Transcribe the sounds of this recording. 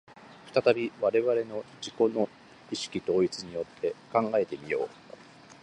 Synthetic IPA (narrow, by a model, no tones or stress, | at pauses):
ɸɯ̟̥t̪at̪abʲiβaɾe̞βaɾe̞no̞d͡ʑiko̞no̞ | iɕi̥kʲit̪o̞ːit͡sɨɲ̟ijo̞t̪ʰːe̞kãŋɡae̞t̪e̞mʲijo̞ː